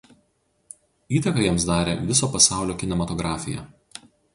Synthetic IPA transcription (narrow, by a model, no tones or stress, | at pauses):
iːt̪ɐkɐjiɛmsd̪ɑːɾʲḛʋʲɪsoːpɐsɑˑʊlʲoːkʲɪnʲɛmɐt̪ɔɡɾɑːfʲɪjɛ̰